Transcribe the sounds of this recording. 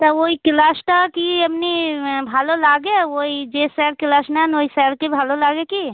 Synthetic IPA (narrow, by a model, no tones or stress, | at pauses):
t̪ɔoikɪlasʈakiəpnibʱaːlolaːɡeoid͡ʒesɛɽkɪlasnanoisɛɽkebʱalolaːɡeki